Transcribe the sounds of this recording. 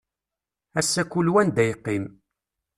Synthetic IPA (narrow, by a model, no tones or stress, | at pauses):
æsːækulwænd̪æjəqːim